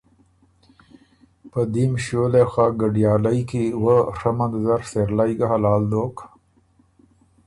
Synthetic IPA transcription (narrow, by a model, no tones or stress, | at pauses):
pəd̪imɕoːlexaɡəɖijaːlɐikiwəɾɐmɐd̪zɐɾseɾlaiɡɐɦɐlaːld̪oːk